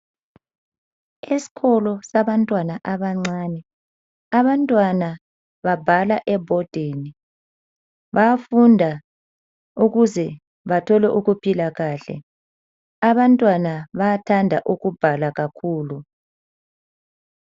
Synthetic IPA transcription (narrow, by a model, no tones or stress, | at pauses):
esi̥ɣɔlɔsaβantʼwanaʔaβaŋ͡ǀaːnɛ | aβantʼwana | βabʱalaʔɛbʱɔd̥ʱeːni | βafundʱa | uɣuzɛ | βatʰɔlɛʔuɣupʰilaɣaːɬɛ̰ | aβantʼwanaβatʰandʱaʔuɣub̥ʱalaɣakʰuːlu